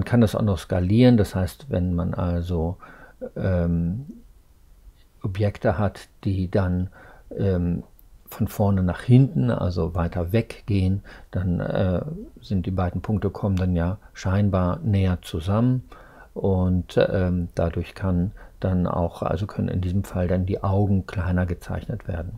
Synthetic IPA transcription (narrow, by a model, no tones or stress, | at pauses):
mankʰandasa̰ʊxnɔχskaliːʁəndashaɪstvɛ̰nmanʔalzo | ʔɛm | ʔɔpjɛktəhatd̥iːdanʔɛːmfɔnfɔɐnənaːχhɪntn̩ʔa̰lzovaɪtɐvɛkɡ̥eːənd̥anɛ̰ːzɪnt̚d̥iːbaɪdn̩pʰʊŋk̚təkʰɔməndanjaːʃaɪnbaːɐnɛːɐt͡suzamən | ʔʊntɛːmd̥adʊɐçkʰand̥ana̰ʊxʔa̰lzokʰœnə̰nɪ̰ndiːzəmfaldandiːʔaʊɡŋ̩kʰl̥aɪnɐɡət͡sa̰ɪçnətv̥ḛːɐdn̩